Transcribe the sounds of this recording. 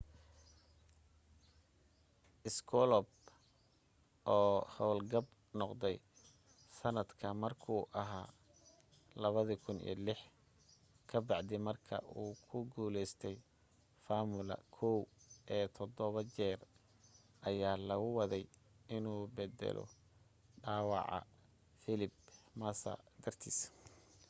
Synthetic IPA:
ʔɪskʰɔlɔb | ʔɔːhɔwlɡɐb | nɔqd̪ɛj | sɐnɐd̪kʰɐmɐrkʰuːʔɐɦaː | lɐβɐðikʰʊnḭːlɪħ | kʰɐbɑʕd̪ɪmɐrkʰɐ̰ʔuːkʰʊɡuːlɛjst̪ʰɛj | faːmʊlɐ̰kʰɔwʔɛːt̪ʰɔd̪ɔβɐt͡ʃɛːr | ʔɐjaːlɐɣʊwɑðɛj | ɪnuːbɛd̪ɛ̰lɔ̰ | ɖaːwɑ̰ʕɑ̰ | fɪlɪbmɐsɐ̰d̪ɐrt̪ʰḭːs

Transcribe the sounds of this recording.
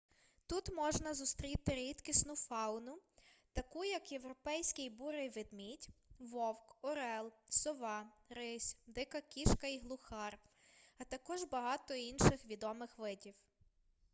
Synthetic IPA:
t̪ut̪mɔʒnɐzʊst̪ɾʲit̪ɪɾʲit̪kɪsnʊfɑwnʊt̪ɐkujɐkjeʋɾɔpɛjsʲkɪjbuɾɪjʋɪd̪mʲitʲʋɔwkɔɾɛlˠsɔʋɑɾɪsʲd̪ɪkɐkʲiʃkɐiɦlˠʊxɑrɐt̪ɐkɔʒbɐɦɑt̪ɔinʃɪxʋʲid̪ɔmɪxʋɪdʲiw

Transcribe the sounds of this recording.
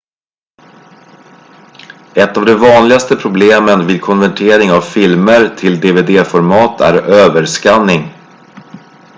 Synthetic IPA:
ɛt̪ːavd̪ɛvɑːnlɪɡast̪əpʰɾʊbleːmənviːd̪̚kʰɔnvæʈʰeːɾɪŋavfɪlməɾt̪ʰɪld̪eveːd̪eːfɔɾmɑːt̪ʰæ̰ɾøːvəɾʂkanːɪŋ

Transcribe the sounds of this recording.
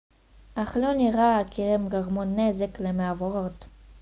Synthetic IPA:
ʔaχloniʁaakiʁemɡaʁmonːezeklemeavoʁot

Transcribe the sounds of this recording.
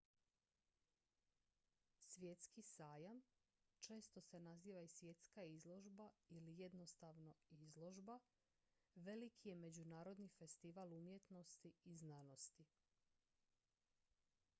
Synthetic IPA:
sʋjet̪skisaːjam | t͡ʃe̞ːst̪o̞se̞naziːʋaisʋje̞t̪skaizlˠo̞ʒbailijed̪no̞st̪aʋno̞izlˠo̞ʒba | ʋe̞likʰijeme̞d͡ʑunaːɾo̞d̪nife̞st̪iʋaːlumjet̪no̞st̪iiznaːno̞st̪i

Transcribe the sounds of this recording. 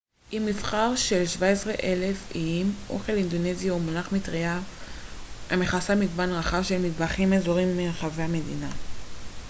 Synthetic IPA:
ʔimːifχaʁʃe̞lʃvaesʁeʔele̞fiimʔo̞̰χe̞lind̪onezjaumonaχmitʁia | ameχasamiɡbanʁaχavʃe̞lmidbaχimezoʁimːeχavehame̞dina

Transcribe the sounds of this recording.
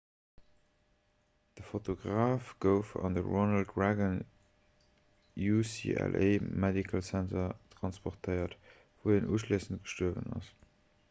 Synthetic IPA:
d̥əfotʰoɡʁaːfɡ̥əʊfɑ̰ndəɹonɑlt̚ɡɹæɡən | jusḭɛ̰lʔḛɪmɛdikʰəlsæntʰɐtʁɑnspɔʁtʰəɪɐt | vuənʔuːʃliːsənt̚ɡ̥ə̥ʃtuəvə̰nɑ̰s

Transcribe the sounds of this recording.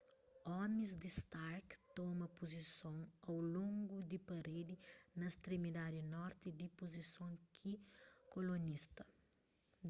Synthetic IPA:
ɔmizd̪ist̪aɾkt̪ɔmɐpozisõw̃ɐwlõŋɡud̪ipɐɾed̪inɐst̪ɾimid̪ad̪inɔɾt̪id̪ipozisõwkʰikolonist̪ɐ

